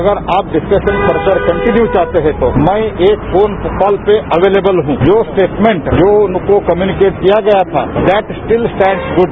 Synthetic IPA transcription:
ɐɡəɾaːp̚ɖɪskəʃə̃npɐɾsəɾkɐ̃ɳʈɪnjut͡ʃaːɦt̪eɦɛ̃t̪oːmɛ̃eːkfoːnkɔːlpeɐʋeːleːbəlɦũd͡ʒoːsʈeːʈmẽɳʈd͡ʒoːʊnkokɐmjuːnɪkeːʈkijaɡɐjat̪ʰa̰ːd̪ɛːʈsʈɪlsʈɛ̃ːɳɖsɡʊɖ

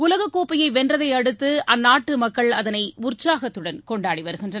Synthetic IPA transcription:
ʊlɐɣɐkːoːpːɐjɐɪʋɛndrɐðɐɪɐɽɯt̪ːɯʔɐnːaːʈːɯmɐkːɐɭɐðɐnɐɪʊrt͡ʃːaːɣɐt̪ːɯɽɐnkɔɳɖaːɽiʋɐɾɯɣɪndrɐ

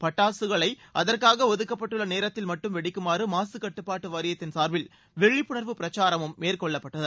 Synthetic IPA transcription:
pɐʈːaːsɯɣɐɭɐɪʔɐðɐrkaːɣɐɔðɯkːɐpːɐʈːɯɭːɐneːɾɐt̪ːɪlmɐʈːɯmʋɛɽɪkːɯmaːrɯmaːsɯkɐʈːɯpːaːʈːɯʋɐɾɪjɐt̪ːɪnsaːɾʋɪl | ʋɛɻɪpːʊɳɐɾʋɯpɪɾɐt͡ʃːaːɾɐmɯmmeːrkɔɭːɐpːɐʈːɐðɐ

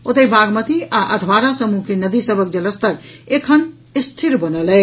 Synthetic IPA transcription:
ot̪əbaɡmət̪iaʔəd̪ʱbaɾasəmukenəd̪isəbʱək̚d͡ʒələst̪əɾekʰən | ist̪ʰiɾbənəlɛ

